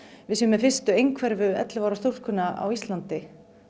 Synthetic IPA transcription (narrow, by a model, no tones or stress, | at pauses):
vɪðsijmːɛðfɪr̥st̪ʏejŋkʰvɛɾvʏɛ̰t̪lɪvawɾast̪ur̥kʏnaa̰wist̪lant̪ɪ